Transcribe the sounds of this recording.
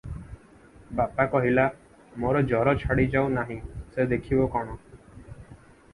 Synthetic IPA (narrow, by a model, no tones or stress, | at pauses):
bapakɔɦila | moɾɔd͡ʒɔɾɔt͡ʃʰaɽid͡ʒawnaɦĩsed̪ekʰibokɔɽ̃ɔ